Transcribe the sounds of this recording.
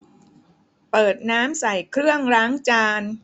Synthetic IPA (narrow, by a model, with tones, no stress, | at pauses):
pɤː˨˩t̪̚naː˦˥msa˨˩jkʰɾɯ˥˩əŋɾaː˦˥ŋt͡ɕaː˧n